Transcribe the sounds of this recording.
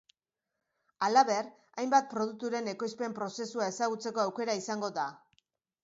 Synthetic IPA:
alaβe̞r | ajmbat̪̚pɾo̞ð̞ut̪uɾe̞ne̞ko̞jspe̞mpɾo̞se̞suae̞saɣut͡se̞ko̞awke̞ɾaisaŋɡo̞ða

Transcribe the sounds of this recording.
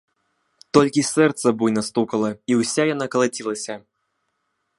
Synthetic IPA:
t̪ɔlʲkʲisɛrt̪sɐbujnɐst̪ukɐlˠɐiwsʲajanakɐlˠat͡sʲilˠɐsʲɐ

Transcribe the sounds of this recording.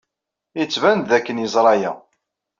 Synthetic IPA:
jət͡sːvænt̪ðækːənjəzˤɾˤɑjæ̰

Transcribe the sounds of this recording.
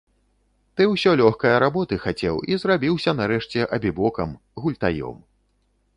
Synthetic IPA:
t̪ɨwsʲɔlʲɔxkɐjɐɾabɔt̪ɨxat͡sʲɛ̰wizrabʲiwsʲɐnaɾɛʂt͡sʲɛʔɐbʲibɔkɐm | ɣulʲt̪ajɔ̰m

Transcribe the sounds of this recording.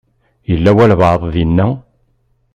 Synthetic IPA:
jəlːæwælvəðˤðiənːæ

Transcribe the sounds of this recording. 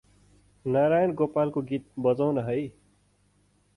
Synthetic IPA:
naɾajʌnɡopalkoɡit̪̚bʌd͡zawnʌɦʌj

